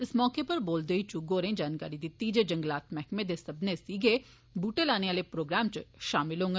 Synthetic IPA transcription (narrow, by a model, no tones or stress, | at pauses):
ɪsmɔːkeːpəɾboːld̪eːiːt͡ʃuɡoːɾẽːd͡ʒaːnka̰ːɾiːd̪it̪ːiːd͡ʒeːd͡ʒəŋɡlaːt̪mɛːkmẽːd̪eːsəbnesiːɡeː | buːʈeːlaːneːaːleːpɾoːɡɾaːmt͡ʃʃaːmɪlɦõːŋɡe